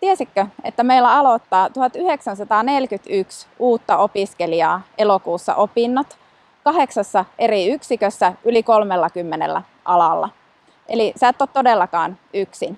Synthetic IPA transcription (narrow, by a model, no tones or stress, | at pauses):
t̪iæsikːøet̪ːæmeilːæɑlot̪ːɑːt̪uhɑt̪yheksænsɑt̪ɑːnelkyt̪yksuːt̪ːɑopiskeliɑːʔelokuːsːɑ̰ʔopinːot̪ | kɑɦeksɑsːɑʔeriyksikøsːæʔylikolmelːɑkymːenḛlːæ̰ | ʔɑlɑlːɑ̰ | ʔelisæːˑt̪ːot̪todelːɑkɑːnyksin